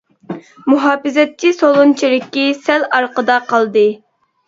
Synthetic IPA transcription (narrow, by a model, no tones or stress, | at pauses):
muɦɑːfɪzɛt̪̚t͡ʃʰːisolˠunt͡ʃʰiɾɪkʲːisɛlɑɾqəd̪ɑqʰɑlˠd̪ɨ